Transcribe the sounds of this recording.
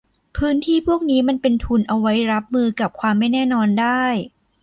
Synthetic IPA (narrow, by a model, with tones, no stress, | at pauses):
pʰɯː˦˥nt̪ʰiː˥˩pʰu˥˩ək̚niː˦˥ma˧npe˧nt̪ʰu˧nʔa˧wa˦˥jɾa˦˥p̚mɯː˧ka˨˩p̚kʰwaː˧mːa˥˩jnɛː˥˩nɔː˧ndaː˥˩j